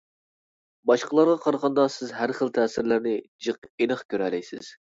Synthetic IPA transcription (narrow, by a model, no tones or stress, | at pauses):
bɑʃqəlˠɑɾʁɑqʰɑɾʁɑnd̪ɑsɪzɦæɾχəlˠt̪ʰɛːsɪɾlæɾnɪd͡ʒɨqenəχkʲʰøɾɛlɛjsɪ̰z̥